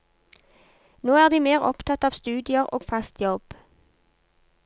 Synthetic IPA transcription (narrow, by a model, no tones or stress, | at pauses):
noːæːʁd̪iːmeːʁɔ̰pt̪ʰɑt̪ɑːʋst̪ʉːd̪ɪəʁo̰ːɡfɑst̪jɔb̥